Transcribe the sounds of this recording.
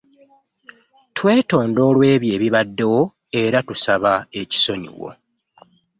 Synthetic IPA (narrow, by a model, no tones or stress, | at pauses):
tʰwe̞ːto̞ːndo̞ːlwe̞ːβje̞ːβiβadːe̞wo̞ | e̞ɾatusaβae̞ci̥so̞ɲḭwo̞̰